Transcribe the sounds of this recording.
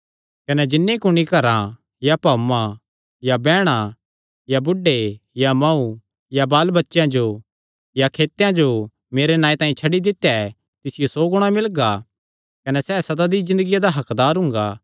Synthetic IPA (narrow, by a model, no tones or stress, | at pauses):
kɐnɛd͡ʒɪnːekʊɽ̃ikɐɾã | japaːmã | jabɛːɽ̃a | jabʊɖejamãːu | jabaːlbɐtːʃjãd͡ʒo | jakʰeːt̪jãd͡ʒo | meːɾenãːĩt̪ãːĩt͡ʃʰɐɽid̪ɪt̪ːjaɛ | t̪ɪsɪjosoːɡʊɽ̃amɪlɡa | kɐnɛsɛːsɐd̪ad̪izɪ̃nd̪əɡijad̪aɦɐkd̪aːɾɦʊ̃ŋ̆ɡaː